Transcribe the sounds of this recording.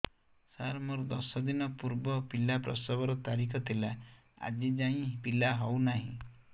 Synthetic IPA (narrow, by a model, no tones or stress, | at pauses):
saɾmɔɾd̪ɔsɔd̪inɔpuɾbɔpilapɾɔ̰sɔbɔɾɔt̪aɾikʰɔt̪ʰila | a̰d͡ʒid͡ʒaĩpilaɦɔwnaɦḭ̃